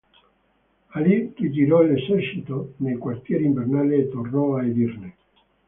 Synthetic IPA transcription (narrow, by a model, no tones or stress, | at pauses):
alikid͡ʒ̪iɾɔilesɛrʃit̪onejkwart̪jɛːɾiɱvernaːleːt̪ːornɔaed̪irne